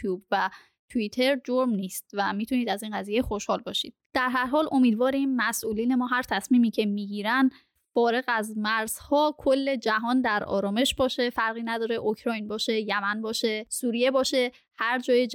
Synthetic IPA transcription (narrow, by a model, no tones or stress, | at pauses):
uːbvæ | t̪ʰuit̪ʰe̞ɾd͡ʒoɾmniːst̪væmiːt̪ʰuniːd̪æziːnɢæziːjexo̞ʃhɒːlbɒːʃḭːd̪̥̚d̪̥æɾɦæɾɦɒːlʔo̞miːd̪vɒːɾimːæsʔuːliːne̞mɒːɦæɾt̪ʰæsmiːmiːcʰe̞miːɡiːɾæn | fɒːɾe̞ɣæzmæɾz̥hɒːkʰolːe̞d͡ʒæɦɒːnd̪æɾɒ̰ːɾɒːme̞ʃbɒːʃe̞fæɾɣiːnæd̪ɒːɾe̞ʔokʰɾɒːjnbɒːʃe̞jæmænbɒːʃe̞suːɾije̞bɒːʃe̞ | hæɾd͡ʒɒːje